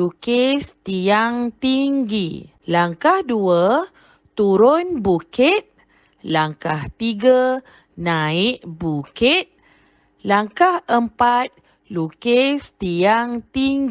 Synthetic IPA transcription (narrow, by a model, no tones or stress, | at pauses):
lukest̪iaŋt̪iŋɡi | laŋkahduə | t̪uɾonbukit̪̚ | laŋkaht̪iɡa | nãiʔbukit̪̚ | laŋkahəmpat̪̚ | lukest̪iaŋt̪iŋɡ